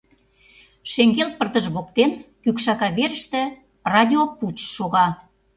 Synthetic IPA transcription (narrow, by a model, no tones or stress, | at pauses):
ʃeŋɡel̚pərt̪ə̆ʒβok̚t̪enkykʃɑkɑβeɾə̆ʃt̪ĕ | rɑd̪ʲioput͡ɕʃoɣɑ